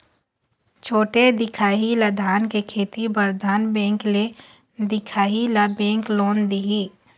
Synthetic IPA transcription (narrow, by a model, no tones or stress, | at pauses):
t͡ʃʰoːʈed̪ɪkʰaːɦilɐd̪ʱaːnkekʰeːt̪ibəɾd̪ʱaːnbɛ̃ːŋkle | d̪ɪkʰaːɦilabɛ̃ːŋkloːnd̪ii